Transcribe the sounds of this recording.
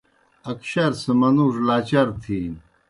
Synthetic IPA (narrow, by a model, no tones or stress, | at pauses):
ɐkɕɐɾsɐmɐnuʐlaːt͡ɕɐɾt̪ʰin